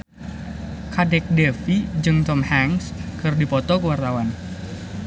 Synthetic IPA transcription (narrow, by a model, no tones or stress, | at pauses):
kadɛk̚dɛfid͡ʒɨŋt̪ɔmhaŋskɨrdipɔt̪ɔkəwart̪awan